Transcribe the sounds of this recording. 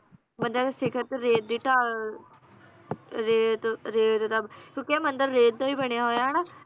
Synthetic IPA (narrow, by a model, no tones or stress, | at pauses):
mənd̪eːd̪esɪkʰət̪ɾeːd̪iːʈaː | ɾeːt̪ɾeːt̪d̪abkõːkiɛːmənd̪əɾːeːt̪̚t̪õːiːbəɳ̃ejaɦoːjaːnaː